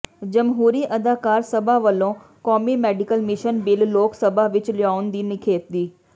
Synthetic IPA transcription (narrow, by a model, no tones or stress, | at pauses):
d͡ʒəmɦuːɾiːʔəd̪aːkaːɾsəbaːʋəlːõː | kɔːmiːmɛːɖɪkəlmɪʃənbɪlːoːksəbaːʋɪt͡ʃlɪjaːʊnd̪iːnɪkʰeːt̪̚d̪iː